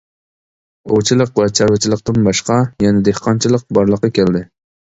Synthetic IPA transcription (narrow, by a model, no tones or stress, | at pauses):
ot͡ʃʰilˠəqwɛt͡ʃʰɑɾwɪt͡ʃʰilˠəqt̪ɨnbɑʃqɑjɛnɪd̪ehqʰɑnt͡ʃʰilˠəq̚bɑɾlˠəqːɑkʲʰɛld̪ɪ